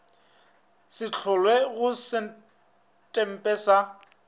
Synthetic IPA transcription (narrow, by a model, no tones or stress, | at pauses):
sɪt͡ɬʰʊlweɣʊsɪ | tʼɛm̩pʼɛːsa